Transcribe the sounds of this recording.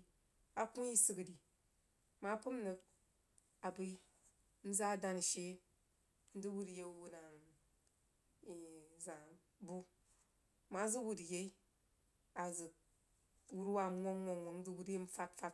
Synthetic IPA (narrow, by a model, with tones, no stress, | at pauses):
a˨ku˦ji˦sɨ˦kɨ˨di˨ | ma˨˦pɨ˦m˦nɨ˧k̚ | a˨bɨ˦ | n̩˦za˦˨da˦n˨ʃe˦ | n̩˦dɨ˦wu˦ɾje˦˨wu˦na˨n | i˨za˨ | bu˦ | ma˨˦zɨ˦wu˨dje˦i˦ | a˨zɨ˨k̚ | wu˦ɾwa˦˨m˦ŋʷo˦ŋʷo˨ŋʷo˨n̩˦dɨ˦wu˦ɾe˦m̩˦fa˦tfa˦t